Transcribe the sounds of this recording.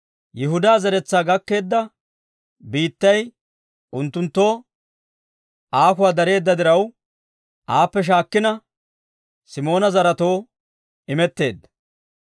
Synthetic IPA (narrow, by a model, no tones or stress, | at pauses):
jɪɦʊd̪aːzɐɾɛt͡sːaːɡɐkːe̞ːd̪ːɐ | biːt̪ːɐj | ʔʊnt̪ːʊnt̪ːo̞ː | ʔaːk̬ʊwaːd̪ɐɾe̞ːd̪ːɐd̪ɪɾɐw | ʔaːpːɛʃ̬aːkːɪnɐ | sɪmo̞ːnɐzɐɾɐt̪o̞ː | ɪmɛt̪ːe̞ːd̪ːɐ̥